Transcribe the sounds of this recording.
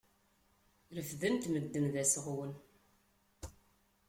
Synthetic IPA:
ɾəfðənt̪məd̪ːəmðæsəʁwən

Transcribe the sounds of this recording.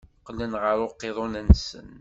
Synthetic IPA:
qːlːənʁəɾˤʊqːeðˤonænsə̰n

